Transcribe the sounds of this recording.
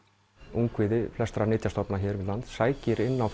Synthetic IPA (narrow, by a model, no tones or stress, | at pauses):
uŋkvɪːðɪflɛst̪ɾanɪːt̪jast̪ɔpnaçɛːɾvɪðlant̪ssaːjcɪɾɪnːawf